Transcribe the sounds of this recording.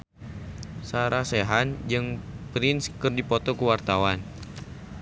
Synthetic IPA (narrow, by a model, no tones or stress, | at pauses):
saɾaseɦand͡ʒɨŋpɾɪnskɨrdipɔt̪ɔkuwart̪awan